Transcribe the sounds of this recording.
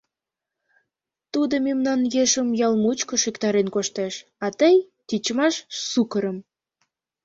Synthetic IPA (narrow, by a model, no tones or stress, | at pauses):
t̪ud̪omemnɑnjeʃəmjɑlmut͡ɕkoʃikt̪ɑɾenkoʃt̪eʃ | ɑt̪əj | t̪ʲit͡ɕmɑʃsukəɾə̆m